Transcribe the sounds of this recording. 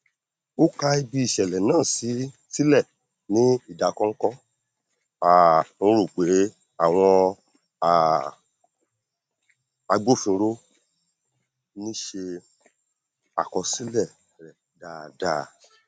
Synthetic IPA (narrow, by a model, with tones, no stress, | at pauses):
o˦ka˧i˧bi˧i˨ʃɛ˨lɛ˨nãː˦˨si˨˦ | si˦lɛ˦˨ | nĩ˦i˦˨da˨˧˨kɔ̃˦ŋ̩˦kɔ˦ | ã˨˧ɾu˦˨k͡pe˨˦ | a˦˨w̃ɔ̃˧ | a˨ | a˧ɡ͡bo˦fĩ˧ɾo˦ | nĩ˦ʃe˧ | a̰˨kɔ˧si˦lɛ˦˨ | ɾɛ˨da˨da̰˧˨